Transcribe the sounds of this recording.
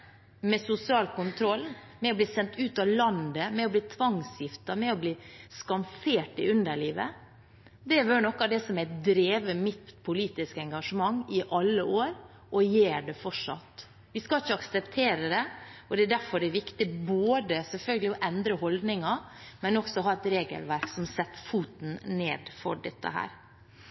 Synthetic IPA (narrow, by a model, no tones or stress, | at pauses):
mɛsʊsɪɑːlkʊnt̪ʰɾɔlː | mɛɔbliːsɛnt̪ʉːt̪ɑlɑnd̪əmɛɔbliːt̪ʰʋɑŋsjɪft̪ɑmɛɔbliːskɑnfeːʈɪʉnd̪əɭiːʋə̰ | d̪ɛʋønɔkːɑd̪ɛsɔmæd̪ɾeːʋəmɪt̪pʰʊliːt̪ɪskəɛŋɡɑʂəmɑŋːɪʔɑlːəʔoːɾ | ʔɔjeːɖɛfɔʂɑ̰t̪ | ʋɪskɑlɪçːəɑksəpt̪ʰeːɾəd̪ɛɔd̪ɛæɖæɾfɔɾɛæʋɪkt̪ɪboːd̪əsɛlfœlɡəlɪɔʔɛnd̪ɾəhɔld̪nɪŋɑmɛnɔksɔɦɑːɛt̪ɾeːɡə̰lʋæɾksɔmsɛt̪ːfuːt̪n̩neːd̪fɔ̰ɖɛt̪ːə̰hæ̰ːɾ